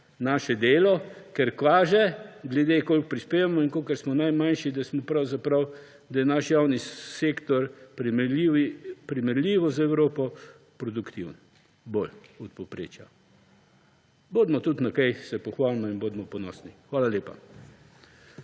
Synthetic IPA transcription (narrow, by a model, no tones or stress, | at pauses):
naːʃɛd̪eːlɔkɛɾkʋaːʒɛɡlɛd̪eːkoːlk̚pɾispeːʋamɔiŋkoːkəɾsmɔnajmanʃid̪asmɔpɾawzapɾɐw | d̪ɐjɛnaʃjawniseːkt̪ɔɾpɾmiʋipɾimɛɾlʲiːʋɔzaɛwɾoːpɔ | pɾɔd̪ukt̪iwn | bolɔt̪̚pɔpɾḛːt͡ʃja | boːd̪mɔt̪ut̪nɐkɛjsɛpɔxʋaːlmɔinboːd̪mɔpɔnɔ̰snixʋaːlaljeːpa̰